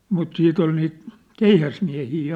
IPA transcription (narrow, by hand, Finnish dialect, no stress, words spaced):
mut siːt ol niːt keihæsmiæ̝hiː